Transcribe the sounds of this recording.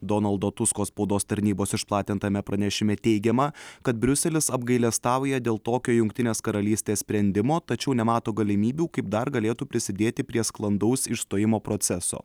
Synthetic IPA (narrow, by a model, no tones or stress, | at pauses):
d̪ɔnɐlˠd̪oːt̪ʊskoːspɐʊd̪oːst̪ɐɾʲnʲiːboːsɪʃplˠɑːt̪ʲɪnt̪ɐmʲɛpɾɐnʲɛʃʲɪmʲɛt̪ʲɛɪɡʲɛmɐkɐt̪̚bʲɾʲʊsʲɛlʲɪsɐbɡɐɪlʲɛst̪ɑːˑʊjɛd̪ʲeːlˠt̪oːkʲoːjʊŋk̚t̪ʲɪnʲeːskɐɾɐlʲiːsʲt̪ʲeːssʲpʲɾʲɛnʲd̪ʲɪmoːt̪ɐt͡ʃʲɛʊnʲɛmɑːt̪oːɡɐlʲɪmʲiːbʲuːkɐɪp̚d̪ɐɾɡɐlʲeːt̪uːpʲɾʲɪsʲɪd̪ʲeːt̪ʲɪpʲɾʲiɛsklˠɐnd̪ɐʊsɪʃst̪oːjɪmoːpɾot̪sʲɛso̰ː